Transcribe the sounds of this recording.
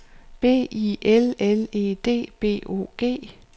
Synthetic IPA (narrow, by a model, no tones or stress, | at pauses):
b̥e̝̰ːiʔelele̝̰ːd̥e̝̰ːb̥e̝̰ːo̝̰ːɡ̥e̝̰ː